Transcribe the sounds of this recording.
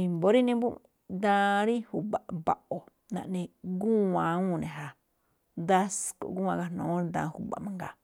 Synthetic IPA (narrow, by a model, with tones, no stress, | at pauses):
i˧mbo˦ɾi˦nĩ˧bu˦ | d̪ã˦˧ɾi˦hu˨ba˨ʔba˨ʔo˨ | nã̰˧˨ʔnĩ˧ɡu˦ã˨˦ũ˦˧˨nẽ˨ɦa˨ | d̪a˦sko̰˨ɡu˦wã˧ɡa˧nõ˨˦ĩ˧d̪ã̰˧hṵ˧ba̰˨mã˧ŋɡa˨